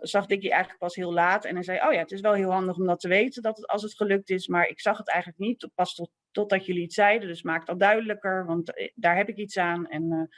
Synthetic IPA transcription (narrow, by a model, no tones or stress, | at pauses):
z̥ɑχdɪkiʔɛjχələk̚pɑsɦɪːlˠlaːtɛ̰nɛzɛjʔo̰wjaːətɪs̬ʋɛlˠɦɪːlˠɦɑndəχɔmdɑtəʋejtəndɑtətɑ̰lˠs̬ətχəlɵk̚tɪsmaːɹɪ̰ksɑχətɛjχənlək̚nitpɑst | tɔd̚dɑtjɵliːtsɛjdəndɵsmaːkk̚dɑt̚dœɥdələkəɹʋɑntdaːɹɦɛpɪkitsaːnɛn